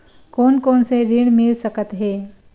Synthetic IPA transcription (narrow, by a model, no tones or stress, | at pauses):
konkonseɾiɽmilsəkət̪ɦe